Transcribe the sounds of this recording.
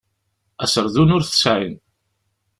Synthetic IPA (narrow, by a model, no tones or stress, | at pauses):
æsəɾˤðunʊɾθə̥sʕin